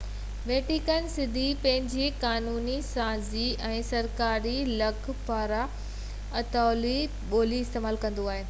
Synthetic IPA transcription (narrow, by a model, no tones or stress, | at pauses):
ʋeːʈikənsɪd̪ʱipɐ̃ɦɪ̃ɲd͡ʑikaːnuːnisãːziɛ̃ːsɐɾkaːɾilɐkʰpaːɾa | ɐt̪aːli | ɓoːliɪst̪eːmaːlkɐ̃nd̪oaːɦeː